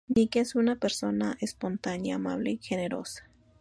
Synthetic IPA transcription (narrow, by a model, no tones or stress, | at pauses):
nikesunapeɾso̞naʔespo̞nt̪anjaːma̰βleixeneɾo̰sḁ